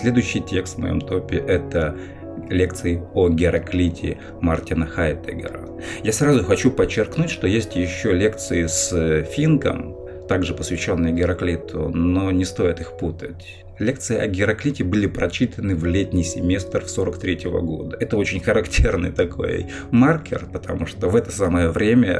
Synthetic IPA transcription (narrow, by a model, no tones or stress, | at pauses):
sʲlʲe̞d̪ʊjʏɕːɪjtʲe̞kst̪vmɐ̰jo̞̰mt̪o̞pʲɪʔɛt̪ə | lʲe̞k̚t̪sɨɪoɡʲɪɾɐklʲitʲʰɪ̰ | mɐrtʲɪnəxajɪt̪ɨ̰ɡʲɪ̰ɾə̰ | jasɾazʊxɐt͡ɕupət͡ɕːɪrknutʲʂt̪o̞jesʲtʲjɪɕːolʲe̞kt̪sɨɪsfʲinkə̰m | t̪aɡʐɨpəsvʲɪɕːo̞nːɨjʊɡʲɪɾɐklʲit̪ʰʊ̰nonʲɪst̪o̞jɪt̪ɨxput̪ətʲ | lʲe̞k̚t̪sɨjɪʔɐɡʲɪɾɐklʲitʲɪbɨlʲɪpɾɐt͡ɕit̪ənɨvlʲetʲnʲɪjsʲɪmʲe̞st̪rfsoɾəkt̪ɾʲetʲɪvə̰ɡo̞̰d̪əɛt̪əo̞t͡ɕɪnʲxəɾɐktʲe̞rnɨjt̪ɐkʰo̞̰j | markʲɪ̰rpət̪ɐmuʂt̪ovɛt̪əsaməjəvɾʲemʲə